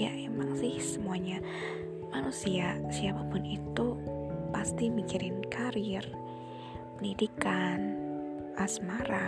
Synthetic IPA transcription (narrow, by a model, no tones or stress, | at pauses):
jaʔemaŋsɪhsəmuaɲa | manusiaʔsiapapʊnit̪upast̪imikiɾɪnkaɾɪr | pənidikan | ʔasmaɾa